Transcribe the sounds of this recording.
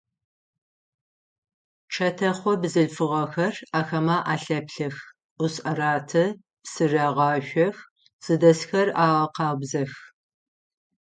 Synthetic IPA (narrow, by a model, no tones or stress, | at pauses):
t͡ʃʰɐtʰɐχʷɔbzɨɮfɨʁɐxɐraːxɐmaːʔaːɬɐpɬɐxʷ | ʊɕʼɐraːtʰɐ | psɨraːʁɑːɕʷɔx | z̥ɨdɐsxɐraːʁɐqɑːbzɐx